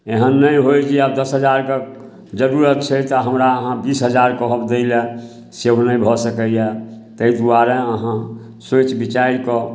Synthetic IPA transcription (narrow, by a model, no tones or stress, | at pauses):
eɦənːəjɦojd͡ʒiəbd̪əsɦəd͡ʒaɾke | d͡ʒəɾuɾət̪̚t͡ʃʰɛt̪ɔɦəmɾaəɦãbisɦəd͡ʒaɾkɔɦəbd̪eɪle | seɦnə̃bʱɔsəkəje | t̪əid̪uaɾeəɦã | sot͡ʃbit͡ʃaiɾkɔ